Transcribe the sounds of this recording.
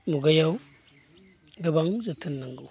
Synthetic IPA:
nuɡajau | ɡəbaŋzitənːiŋɡu

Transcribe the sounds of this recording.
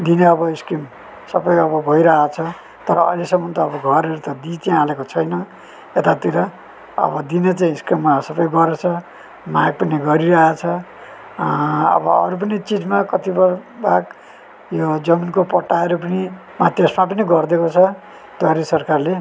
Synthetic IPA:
d̪ineʌbʌiskrim | sʌbʌjʌbʌbʱʌiɾaɦat͡sʰʌ | t̪ʌɾʌʌ̰jlesʌmːʌnt̪ʌːbʌɡʱʌɾeɾut̪ʌd̪it̪iãalekot͡sʰʌjnʌ | et̪at̪iɾʌ | ʌ̰bʌd̪inet͡saĩskrimːasʌbʌjɡʌɾet͡sʰʌ | maɡ̚pʌniɡʌɾiɾʌɦat͡sʰʌ | ʌ̰bʌʌ̰ɾup̬ʌnit͡sid͡zmakʌt̪ibʌbaɡ | jod͡zʌminkopʌʈːaeɾupʌni | mat̪esmap̬ʌniɡʌrd̪ekot͡sʰʌ | t̪oaɾesʌrkarle

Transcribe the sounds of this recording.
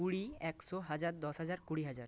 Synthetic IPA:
uɽiɛksɔɦad͡ʑaɾd̪ɔsɦad͡ʑaɾkuɽiɦad͡ʑaɾ

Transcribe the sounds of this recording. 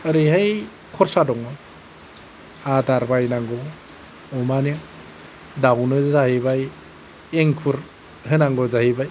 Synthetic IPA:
aɾiɦaj | kʰɔɾsadɔŋa | adaɾbajnaŋɡɔ | ɔmana | dawnɯzahibaj | eŋkʰuɾ | hɯnaŋɡɔzahibaj

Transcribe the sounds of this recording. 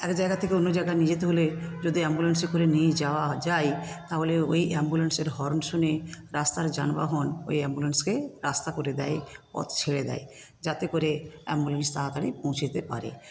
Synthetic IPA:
ɛkd͡ʑaeɡat̪ʰekeonːod͡ʑajɡanid͡ʑet̪eɦoled͡ʑod̪iɛmbulensikoɾenijd͡ʑaoad͡ʑajt̪aɦoleojʔɛmbulenseɾɦɔɾnʃoneɾast̪aɾd͡ʑanba̰ɦɔno̰jɛmbulenskeɾast̪akoɾed̪ɛepɔ̰t̪t͡ɕʰeɭed̪ɛ̰e | d͡ʑat̪ekoɾeɛ̰mbulenst̪aɦakaɽipõwt͡ɕʰet̪epa̰ɾḛ

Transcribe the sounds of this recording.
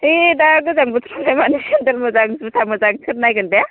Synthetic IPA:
idaɡɯzaŋbɯt̪ʰɾɔlamaneendelmɯzaŋsɯsʰamɯzaŋsʰɯɾ̚najɡɯnde

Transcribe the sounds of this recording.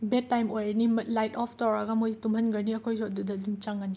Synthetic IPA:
betːajmojɾɐnimlajtɔpʰtawɾɐɡɐmojtumɐnɡɐɾniɐkʰojsodudɐdumt͡ʃɐŋɐni

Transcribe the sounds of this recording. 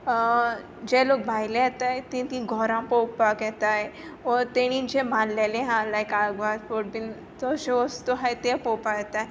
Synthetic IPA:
d͡ʑelok̚bʱajlejɛt̪ajt̪ĩt̪ĩɡʱɔɾãpɔwpakjɛt̪ajɔɾt̪eɽ̃ĩnd͡ʑemʱanlelẽɦãlajkaɡʋat̪poʈ̚bin | t̪ɔseəst̪oɦajt̪epɔwpakjɛt̪ae

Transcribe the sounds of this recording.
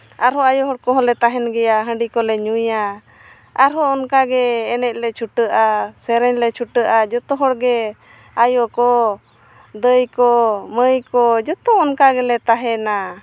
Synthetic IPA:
aɾɦɔajɔɦɔɽkɔɦɔlɛt̪aɦɛnɡɛjaɦəɳɖikɔlɛɲuja | aɾɦɔɔnkaɡɛːnɛc̚lɛt͡ʃʰuʈəʔasɛɾɛɲlɛt͡ʃʰuʈəʔad͡ʒɔt̪ɔɦɔɽɡɛ | ajɔkɔ | d̪əjkɔməjkɔd͡ʒɔt̪ɔːnkaɡɛlɛt̪aɦɛna

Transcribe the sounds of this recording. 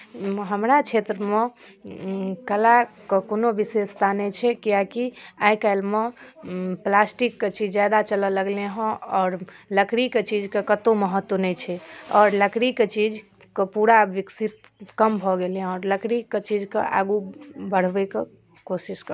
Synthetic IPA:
ɦəmɾat͡ʃʰet̪ɾəme | kəlakəkonobisest̪ʰanɛt͡ʃʰɛkijakiajkalme | plasʈikːet͡ʃid͡ʒd͡ʒad̪at͡ʃələləɡleɦə̃ɔːɾləkɾiket͡ʃid͡ʒkekət̪oməɦət̪ːwənɛt͡ʃʰɛɔːɾləkɾiket͡ʃid͡ʒ | kepuɾaʋiksit̪kəmbʱɔɡeleɔːɾləkɾiket͡ʃid͡ʒkḛʔa̰ɡubəɽ̤beke | kosiskə

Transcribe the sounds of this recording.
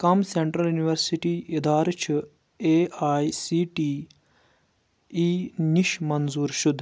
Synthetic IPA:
kɐmseɳʈɾɐljuniʋɐɾsiʈiːʔid̪aːɾt͡ʃʰu | eːaːisiːʈiː | iːniʃmɐnzuːɾʃʊd̪ʱ

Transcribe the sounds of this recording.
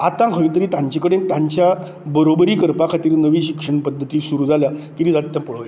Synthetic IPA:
at̪ãkʰəʋiːnt̪əɾiːt̪ãɲt͡ɕekəɽẽk̚t̪aɲt͡ɕja | bəɾobəɾiːkəɾpakʰat̪iːɾnəʋiːɕikʂəɳpəd̪ʱːət̪iːsuɾuːd͡zʱaljakiɾiːd͡zat̪ːjãpəɭoa

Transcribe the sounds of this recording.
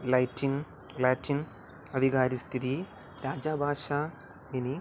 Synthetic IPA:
lɐjtːin | lɐːtːin | ɐd̪ʱiɣaːɾist̪ʰiði | ɾaːd͡ʑaːbʱaːʂa | mini

